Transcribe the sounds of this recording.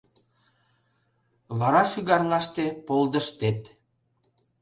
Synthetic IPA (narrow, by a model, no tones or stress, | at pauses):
βɑɾɑʃyɣɑrlɑʃt̪epold̪əʃt̪et̪